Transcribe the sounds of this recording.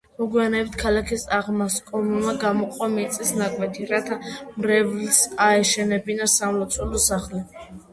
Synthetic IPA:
mɔɡwianɛːbt̪ʰkʰalakʰisaʁmaskʼɔlumaɡamɔqʼɔmɛt̪sʼisnakʼwɛt̪ʰiɾat̪ʰamɾɛvlsaɛʃɛnɛbinasamlɔt̪sʼulɔsaχlɛ

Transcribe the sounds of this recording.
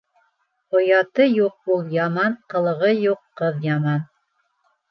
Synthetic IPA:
qŏjɑt̪ɤjuq̚ulˠjɑmɑnqɤ̆lˠɤ̆ʁɤjuqːɤðjɑmɑn

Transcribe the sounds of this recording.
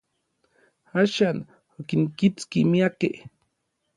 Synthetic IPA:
aʃan | okiŋkit͡skimiakḛʔ

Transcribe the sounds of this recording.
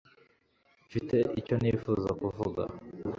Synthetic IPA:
fite̞ʔico̞nifuːzakuvuɡa̰

